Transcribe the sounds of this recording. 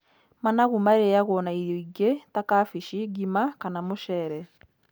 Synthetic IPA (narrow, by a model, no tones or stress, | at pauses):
manaɣumaeɾejaɣwɔːnaiɾjɔiɡetakafiʃiɡimakanamoʃɛɾɛ